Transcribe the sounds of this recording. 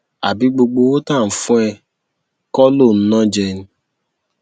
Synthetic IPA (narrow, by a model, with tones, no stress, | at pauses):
a̰˨bi˨˦ɡ͡bo˧ɡ͡bo˧wo˦tã˦˨fũ˦ɛ˧ | kɔ˦lo˦˨n̩˦nɔ̃˦d͡ʒɛ˧nĩ˨˦